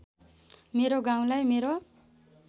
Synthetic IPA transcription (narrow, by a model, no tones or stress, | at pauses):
meɾoɡaw̃lajmeɾo